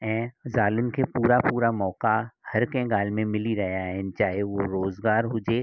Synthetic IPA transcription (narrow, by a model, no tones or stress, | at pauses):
ɛ̃ːzaːlʊnkepuːɾapuːɾamɔːkahɐɾkɛ̃ɡaːlmẽmɪliɾɐɦaɦɛ̃nt͡ʃaːɦeʋoɾoːzɡaːɾɦʊd͡ʒeː